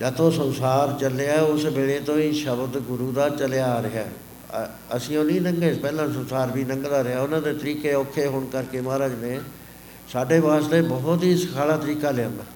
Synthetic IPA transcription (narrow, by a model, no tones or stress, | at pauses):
d͡ʒəːt̪õːsənsaːɾt͡ʃəleaːʊsbeːɽeːt̪õːiːʃəbd̪ɡʊɾuːd̪aːt͡ʃəlejaːɾɪɦa̰ː | əsĩːõːnĩːnəŋɡeːpɛːlãːs̬ənsaːɾbiːnə̃ŋɡd̪aːɾɪaːʊnãːd̪eːt̪əɾiːkeːoːkʰːeːɦoːɳkəɾkeːmãːɾəɡneː | saːɖeːʋaːsleːbɔɦʊt̪ɦiːsəkʰaːlaːt̪əɾiːkaːlɪjãːnd̪aː